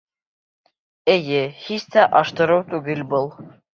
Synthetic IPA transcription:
ejɘhist̪æʔɑʃt̪ɤ̆ɾɤwt̪ʉɡɘlʲbɤlˠ

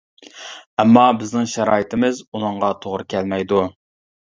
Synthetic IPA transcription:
ɛmːɑbɪznɪŋʃæɾɑ̰ːjit̪ʰɪmɪzunɨŋʁɑt̪ʰoʁɾɨkʲʰɛlmɛjd̪u

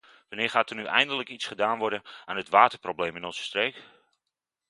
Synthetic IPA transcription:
ʋanɪːɹχaːtənyʔɛ̰jndələkitsχədaːnʋɔɹdənaːnətʋaːtərproblejmɪnɔnzə̥streːk

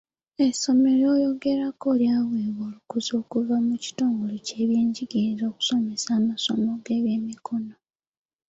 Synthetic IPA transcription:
e̞so̞me̞ɾoːjo̞ɡe̞ɾakoːljaːweːβoːlukuzo̞ːkuvamuci̥toːŋɡolice̞ːβje̞ːɲɟiɡezo̞ːku̥so̞mesaːmaso̞moɡe̞ːβje̞ːmikʰo̞no

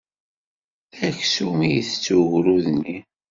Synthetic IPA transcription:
æçsumijəθt͡sːuɣɾuðnːi

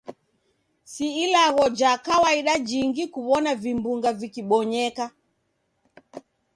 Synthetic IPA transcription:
siːlaɣɔd͡ʒakawaiɗad͡ʒiŋɡikuβɔnavimbuŋɡavikiɓɔɲɛka

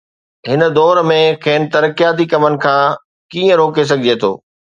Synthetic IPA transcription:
ɦɪnə̆d̪ɔːɾmẽkʰeːnt̪ɐɾəkijaːt̪ikɐmənɪ̆kʰãː | kiːə̃ɾoːkes̬ɐɡʱɪd͡ʑet̪ʰo̰ː

